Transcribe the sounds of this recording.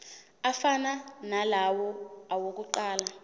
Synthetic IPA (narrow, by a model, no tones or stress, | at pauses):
afananalawɔawok̬ʼuǃaːla